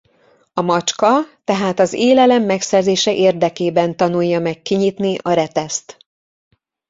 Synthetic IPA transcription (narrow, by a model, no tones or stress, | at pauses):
ɒmɒt͡ʃkɒt̪ɛɦaːt̪ɒzeːlɛlɛmːɛksɛrzeːʃɛʔeːrd̪ɛkeːbɛnt̪ɒnujːɒmɛkːiɲit̪niʔɒɾɛt̪ɛst̪